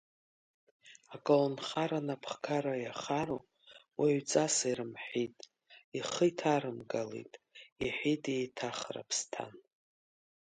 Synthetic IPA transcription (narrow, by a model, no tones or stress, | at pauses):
akʼalnχaɾanapʰχkʰaɾajaχaɾo̰ | wʔaɥt͡sʼasaiɾɨmħitʼ | iχəjtʰaɾɨmɡalḛtʼiħʷᶣitʼietʰaχra̰pʰstʰa̰n